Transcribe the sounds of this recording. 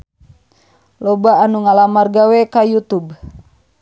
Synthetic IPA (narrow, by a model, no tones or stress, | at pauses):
lɔbaːnuŋalamarɡawɛkajut̪ub